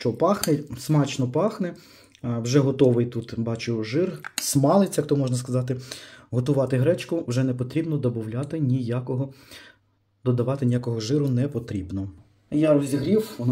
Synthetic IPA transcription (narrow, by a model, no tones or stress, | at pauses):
ʃt͡ʃɔpɑxnɛsmɑt͡ʃnɔpɑxnɛ | wʒɛɦɔt̪ɔʋɪjt̪ut̪bɑt͡ʃʊʒɪrsmɑlˠɪt͡sʲjɐkt̪ɔmɔʒnɐs̬kɐzɑt̪ɪɦɔt̪ʊʋɑt̪ɪɦɾɛt͡ʃkʊwʒɛnɛpɔt̪ɾʲibnɔd̪ɔbɔwlʲat̪ɪnʲijakɔɦɔ | d̪ɔd̪ɐʋɑt̪ɪnʲijakɔɦɔʒɪɾʊnɛpɔt̪ɾʲibnɔ | jaɾɔzʲɦɾʲiw